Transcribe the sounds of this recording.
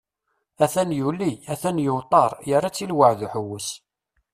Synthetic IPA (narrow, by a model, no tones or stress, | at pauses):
æθænjulːiæθænjʊwt̪ˤɑɾˤjərːat͡sːilwəʕðuħəwːəs